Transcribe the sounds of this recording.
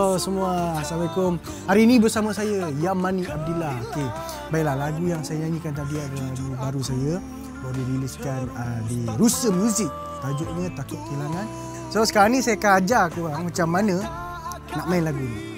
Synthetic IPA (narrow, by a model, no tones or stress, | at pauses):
osəmuasabajkʊm | aɾinĩbərsaməsajəjamaniab̚dulahoke | baiʔlahlaɡujaŋsajəɲaɲikant̪adiaʔdəaɡubaɾusajə | ladiɾiliskanədiɾusəmuzɪk̚ | t̪ad͡ʒʊʔɲət̪akʊt̪̚kelaŋan | sosə̥kaɾaŋnisajəkad͡ʒakubaŋmat͡ʃamːanə̃ | naʔmaɪnlaɡuni